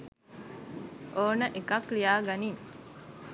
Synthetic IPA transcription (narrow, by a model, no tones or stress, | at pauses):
ʔoːnəʔekɐklijaːɡɐnim